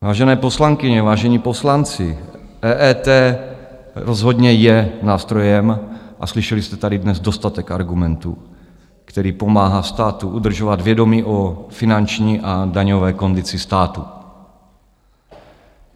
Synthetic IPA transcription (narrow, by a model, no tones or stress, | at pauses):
vaːʒɛnɛːposlaŋkɪɲɛvaːʒɛɲiːpo̞slant͡sɪ | ʔɛːʔɛt̪ɛː | ɾozɦod̪ɲɛjɛnaːst̪ɾo̞jɛmʔa̰slɪʃɛlɪst̪ɛt̪adɪdnɛzdost̪at̪ɛkaɾɡumɛnt̪ṵ | kt̪ɛɾiːpo̞maːɦast̪aːt̪uʔud̪r̩ʒovad̪vjɛdo̞miːʔofɪnant͡ʃɲiːʔadaɲovɛːko̞nd̪ɪt͡sɪst̪aːt̪u